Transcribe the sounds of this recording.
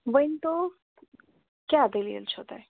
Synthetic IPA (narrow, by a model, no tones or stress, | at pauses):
ʋəɪnt̪o | kjad̪eliə̰lt͡ʃʰoːt̪aɦɛ